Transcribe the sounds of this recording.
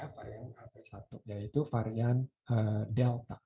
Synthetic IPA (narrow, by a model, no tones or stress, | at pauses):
afaɾiankapasat̪ujait̪ufaɾianʔədɛlt̪a